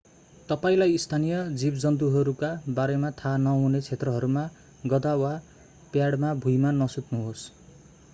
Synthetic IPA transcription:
t̪ʌpaĩlajist̪ʰanijʌd͡zibd͡zʌnt̪̬uɦʌɾukabaɾemat̪ʰanʌɦunet͡sʰet̪rʌɦʌɾuma | ɡʌd̪awa | pjaɽmabʱujmanʌsut̪nuɦos

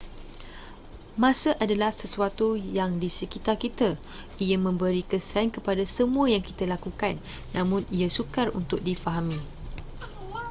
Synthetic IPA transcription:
mãsəʔadalahsəsuat̪ujaŋdisəkit̪arkit̪a | ijamə̃mbəɾikəsankəpadasəmũəjaŋkit̪əlakukanː | ãmʊ̃niasukarṵnt̪ʊk̚difaɦamĩ

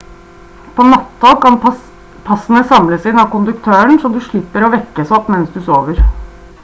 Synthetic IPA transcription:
pʰɔnɑt̪ːɑkɑn | pʰɑsənəsɑmləsɪnɑkʊnd̪ʉkt̪ʰøːəɳʂɔmd̪ʉʂɭɪpːəɾɔʋɛkːəsɔpmɛnsd̪ʉsoːʋəɾ

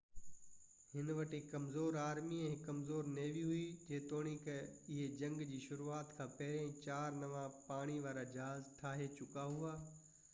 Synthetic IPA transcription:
hɪnʋɐʈikɐmzoːɾaːɾmiɛ̃ɦɪ̃kːɐmzoːɾneːʋiɦʊid͡ʑeːt̪oːɽ̃ikɐɪɦed͡ʑɐ̃ŋɡd͡ʑiːʃʊɾuaːt̪kʰãːpɐɦɪɾẽt͡ɕaːɾnɐʋãpaːɽ̃iʋaːɾad͡ʑɐɦaːzʈʰaːɦet͡ɕʊkaɦuaː

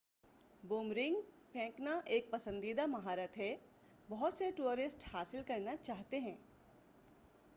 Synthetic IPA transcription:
boːmɾɪ̃ŋɡ | pʰɛ̃ːknaʔeːk̚pɐsə̃nd̪iːd̪amɐɦaːɾət̪ɦɛ | bɐɦʊt̪seʈuːɾɪsʈhaːsɪlkɐɾnat͡ʃaːɦt̪eɦɛ̃ː

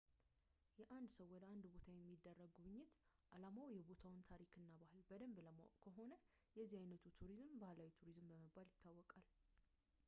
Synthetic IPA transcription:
jɛʔand̪səwːɔd̪əand̪bot̪ʰajɛmːid̪ːərːəɡɡuβɨɲːɪt̪ | ʔalamawjɛbo̞t̪ʰawnt̪ʰaɾikʰɨnːabahɨlbəd̪əmbləmːo̰kʰəɦo̞nə | jɛzːihajnət̪ʰut̪ʰuɾizmbahlawit̪ʰuɾizmbəməbaljɪt̪ʰːawːɔkʼal

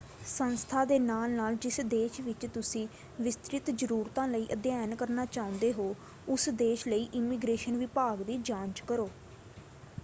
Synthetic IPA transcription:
sənst̪ʰaːd̪eːnaːlnaːld͡ʒɪsd̪eːʃʋɪt͡ʃt̪ʊsĩː | ʋɪst̪ɾɪt̪d͡ʒəɾuːɾt̪ãːləiːʔəd̪jaːnkəɾnaːt͡ʃaːʊ̃nd̪eːɦoː | ʊsd̪eːʃləiːʔɪmiːɡɾeːʃənʋɪpaːɡd̪iːd͡ʒãːɲt͡ʃkəɾoː

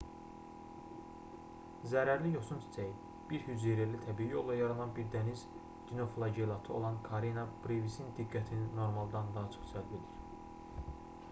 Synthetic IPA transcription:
zæɾæɾlijo̞sumt̪ʰi̥t͡sʰæji | b̥iɾhyzeɾælit̪ʰæbiːio̞lˠd̪ɑjɑɾɑnɑnbiɾd̪æniz | ɟ̥ino̞flˠɑɟelˠɑt̪ʰɯo̞̰lˠɑnkʰɑɾinɑb̥ɾivisind̪iɡːæt̪ʰinino̞ɾmɑlˠd̪ɑnd̪ɑɦt͡ʃʰo̥χsʰælbid̪iɾ

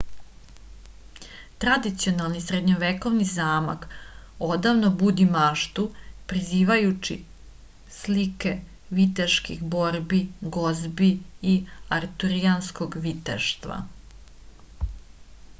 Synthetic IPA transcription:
t̪ɾad̪it̪sio̞nalˠnisɾed̪ɲoʋeko̞ʋnizaːma̰ko̞d̪aʋnobud̪imaːʃt̪upɾiziːʋajut͡ɕḭ | slike̞ | ʋit̪eʃkixbo̞ɾbiɡozbiiaɾt̪uɾianskoɡʋit̪ḛʃt̪ʋa̰

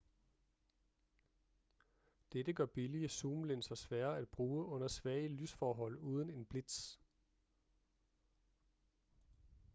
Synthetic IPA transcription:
d̥edəɡ̥ɶɐb̥iliəsuːmlensɐsʋæːɐæd̥̚b̥ʁuːəʔɔ̽n̰ɐsʋæɐːəlysfɒːɦɒ̽l̰uːð̞ˠəne̝nb̥le̝d̥s

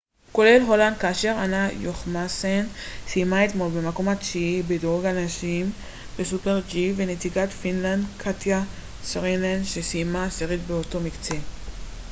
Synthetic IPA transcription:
ko̞le̞lɦo̞land̚kaːʃe̞ʁanajoχmasensijmaet̪mo̞lbemako̞matʃiibedoɡanaʃim | besupeʁt͡ʃivenetiɡat̪finland̪kʰat̪ja | sʁinlanʃesijmaseʁit̪beoto̞mikt͡se̞

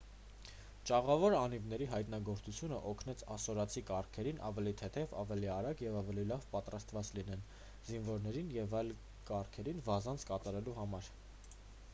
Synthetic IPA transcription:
t͡ʃɑʁɑvɔɾɑnivnɛɾiɦɑjt̪nɑɡɔɾt͡sʰut͡sʰjunə̰ʔɔkʰnɛt͡sʰɑsɔɾɑt͡sʰikɑrkʰɛɾinʔɑ̰vɛlit̪ʰɛt̪ʰɛvɑ̰vɛliɑɾɑɡjɛvɑvɛlilɑvpɑt̪ɾɑst̪vɑt͡slin̪ɛn | zinvɔɾnɛɾinjɛvɑjl | kɑrkʰɛɾinvɑzɑnt͡sʰkɑt̪ɑɾɛluɦɑmɑɾ

